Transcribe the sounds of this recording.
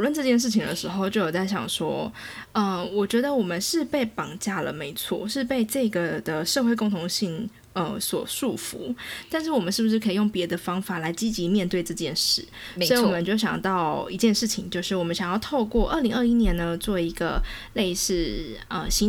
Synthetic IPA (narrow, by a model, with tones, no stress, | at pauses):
lwə˥˧nʈ͡ʂɤ˥˧t͡ɕjɛ˥˧nʂ̬ɻ̩˥˩t͡ɕʰi˨ŋd̪ə̰˧˦ʂɻ̩˧˥xo˥˧ʊt͡ɕjo˥˩ʊjo˨˩t͡sa˥˩ɪɕjɑ̰˨˩ŋʂwɔ˥ə˧wɔ˨˩t͡ɕɥɛ˧˥d̪ə˧wɔ˨˩mə˨˦nʂɻ̩˥˧pe˥˩ɪpɑ˨˩ŋt͡ɕja˥˩lə̰˩me˧˥ɪt͡sʰwɔ̰˥˩ʂɻ̩˥˧pe˥˧ɪʈ͡ʂɤ˥˩ɡə˩d̪ə˩ʂxwe˥˧ɪkʊ˥˩ŋt̪ʰʊ˧˥ŋɕi˥˩ŋ | ə˧˩swɔ̰˨˩ʂu˥˩fṵ˨˧˦t̪a˥˧nʂɻ̩˥˩wɔ˨˩mə˨nʂɻ̩˥˩bu˩ʂɻ̩˥˩kʰi˨˩jo˥˩ŋpjɛ˧˥d̪ə˧fɑ˥ŋfa˨˩la˧˥ɪt͡ɕi˥t͡ɕi˧˥mjɛ˥˧nt̪we˥˧ɪʈ͡ʂɤ˥˧t͡ɕjɛ˥˧nʂɻ̩˥˩˧ɔ˧˥i˥wɔ˨˩mə˦nt͡ɕo˥˩ʊɕjɑ̰˨˩ŋt̪ɑ˥˩ʊi˧˥t͡ɕjɛ˥˧nʂɻ̩˥˩t͡ɕʰi˨˩ŋt͡ɕjo˥˧ʊʂɻ̩˥˩wɔ˨˩mə˦nɕjɑ˨˩jɑ˥˧ʊt̪ʰo˥˧ʊkwɔ˥˧ʔə˥˩li˧˥ŋə˞˥˧i˥njɛ˧˥nnə˧t͡swɔ˥˩i˧˥ɡə̰˧ | le˥˧ɪʂɻ̩˥˩ | ə̰˧ɕi˥